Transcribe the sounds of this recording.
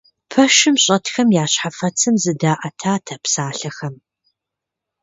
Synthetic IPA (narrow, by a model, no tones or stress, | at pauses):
pʰɐʃɨmɕʼɐtxɐmjaːɕħafɐt͡sʰɨmzɨdaːʔɐtʰaːtʰɐpsaːɬɐxɐm